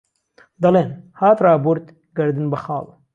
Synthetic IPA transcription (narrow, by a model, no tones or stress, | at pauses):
d̪ɐleːnhaːt̪ɾaːboɾt̪ | ɡɐɾd̪ɨnbɐxaːw